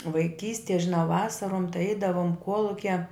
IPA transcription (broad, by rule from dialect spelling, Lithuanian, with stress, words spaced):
ʋɐɪˈkʲiːsʲtʲiɛ ʒʲɪˈnɐʊ ˈʋɑːsɐroːm tɐɪ ˈɛɪdɐʋoːm ˈkuɔlˠʊkʲɛ